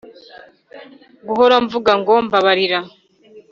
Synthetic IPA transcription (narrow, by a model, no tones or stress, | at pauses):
ɡuɦoɾaɱvuɡaŋɡoːmbaβaɾiɾa